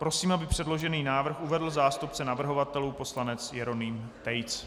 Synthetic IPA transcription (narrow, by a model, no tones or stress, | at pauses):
pɾo̞siːmabɪpr̝̥ɛdloʒɛniːnaːvr̩xuvɛdl̩zaːst̪up̚t͡sɛnavr̩ɦo̞vat̪ɛluːpo̞slanɛt͡sjɛɾo̞niːm | t̪ɛjt͡s